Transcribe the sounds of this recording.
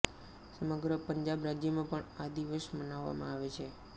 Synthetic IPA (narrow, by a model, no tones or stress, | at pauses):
səməɡɾəpəɲd͡ʒabɾad͡ʒjəmãpəɳad̪iʋəsmənaʋːa̰mãaʋet͡ʃʰe